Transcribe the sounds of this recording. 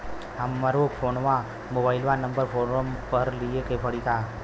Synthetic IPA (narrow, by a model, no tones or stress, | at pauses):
əmːəɾokfʰonʋã | mobailʋãnəmbəɾfʰoɾəmpəɾliekepʰəɽit̪a